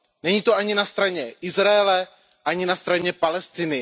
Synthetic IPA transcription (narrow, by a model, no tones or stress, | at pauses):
nɛɲiːt̪oʔaɲɪnast̪ɾaɲɛʔɪzɾaɛlɛ | ʔaɲɪnast̪ɾaɲɛpalɛst̪ɪnɪ